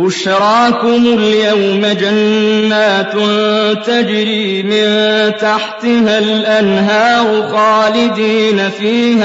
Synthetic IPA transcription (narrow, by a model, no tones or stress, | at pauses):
wʊʃɾˤɑːkʊmʊljawmad͡ʒanːaːt̪nt̪ad͡ʒɾiː | mɪnt̪aħt̪ɪɦalʔanɦaːɾʊxɑːlɪd̪iːnafiːha